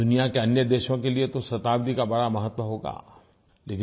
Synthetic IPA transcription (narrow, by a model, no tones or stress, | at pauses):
d̪ʊnijakeɐnjəd̪eːʃõkeliet̪osɐt̪aːbd̪ikabɐɽamɐɦət̪ːwəɦoːɡa̰ː | leːkɪ̃